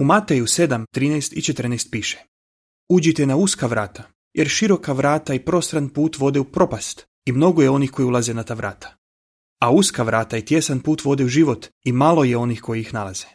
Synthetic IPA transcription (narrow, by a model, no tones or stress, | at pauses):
umat̪ejuse̞d̪amt̪ɾiːnejst̪it͡ʃet̪r̩nejst̪̚piːʃe̥ | ud͡ʑit̪enauskaʋɾaːt̪ʰa | jeɾʃiɾo̞kaʋɾaːt̪aipɾo̞st̪ɾanpuːt̪ʋo̞d̪eupɾo̞past̪ | imno̞ɡo̞jeo̞nixko̞jiulˠaze̞nat̪aːʋɾa̰ːt̪ʰḁ | auskaʋɾaːt̪ait̪je̞sanpuːt̪ʋo̞d̪euʒiʋo̞t̪imalo̞jeo̞nixko̞jiixnalaz̥e